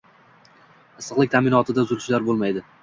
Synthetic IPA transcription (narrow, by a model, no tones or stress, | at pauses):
ɪsɨqlɪkʲt̪ʰamɪnɒt̪ʰɪd̪azʊɾʃlaɾbolˠmajd̪ɪ